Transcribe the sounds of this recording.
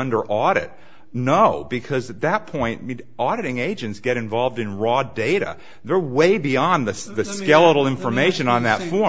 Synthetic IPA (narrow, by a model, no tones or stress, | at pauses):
ʌ̃ndə˞ʔɔɾɨ̰t̚ | noʊbɨkʰʌzɨt̪̚ðɨt̚pʰɔ̃ɪ̃nʔɔɾɨɾɪ̃ŋeɪd͡ʒɨ̃ntsɡ̥ɛɾɨ̃ɱvɑlˠvdɨ̃nɹɔdeɪɾɨ̰ | ðə˞weɪbiɑ̃nðɨðɨskɛlˠəɾl̩ˠɪ̃ɱfə˞meɪʃɨ̃nə̃nðɨtfɔ